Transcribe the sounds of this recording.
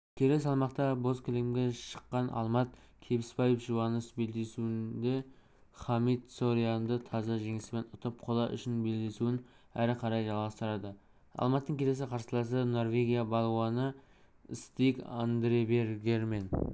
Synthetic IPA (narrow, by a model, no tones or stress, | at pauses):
kʲʰe̞le̞s̬ɑlˠmɑqt̪ɑbo̞zkʰʲʏlemɡʲe̞ʃə̥qːɑnʔɑ̰lˠmɑt̪ | kʲʰe̞bɪspɑjefʒuwɑnəsbe̞ld̪e̞suɪnd̪e | χɑmit̪soɾijand̪ət̪ʰɑzɑʒe̞ŋɪsɪbe̞nʊt̪əp̚qʰolˠɑʔʏ̰ʃɪnbe̞ld̪e̞suɪn | æɾɪqʰɑɾɑjʒɑlˠʁɑst̪əɾɑd̪ə | ɑ̰lˠmɑt̪ːəɴŋkʲʰeles̬ɪqʰɑɾsəlˠɑs̬əno̞rvʲe̞ɡʲijabɑlˠwɑnə | ɪst̪ijka̰nd̪ɾeveɾɡʲe̞ɾme̞n